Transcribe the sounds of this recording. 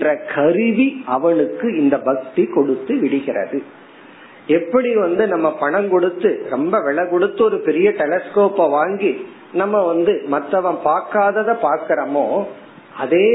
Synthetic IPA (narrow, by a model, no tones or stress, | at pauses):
rɐkʰɐɾɯʋiɐʋɐɳɯkːɯɪnd̪ɐbɐk̚t̪ikɔɽɯt̪ːɯʋɪɽɪɣɪrɐ̰ðɯ | ɛpːɐɽiʋɐnd̪ɯnɐmːɐpɐɳɐmkɔɽɯt̪ːɯɾɔmbɐʋɛɭɐkɔɽɯt̪ːɔɾɯpɛɾɪjɐʈɛlɐskoːpɐʋaːŋɡi | nɐmːɐʋɐnd̪ɯmɐt̪ːɐʋɐ̃ɳpaːɾkaːðɐðɐpaːɾkɪɾɐmoː | ɐðeː